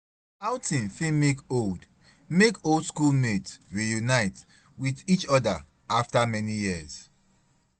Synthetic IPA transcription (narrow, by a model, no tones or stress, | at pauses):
awtĩnfĩmekold | mekoldskulmetsɹijunaɪt | wiðit͡ʃɔda | aftamɛnijiz̥